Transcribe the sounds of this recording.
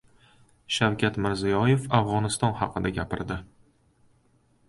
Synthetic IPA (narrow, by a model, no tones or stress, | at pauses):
ʃawkʲʰat̪mɪɾzijɒje̞fafʁɒnɪst̪ɒnhɑ̰qʰɨd̪aɡʲapɪ̰ɾd̪ɪ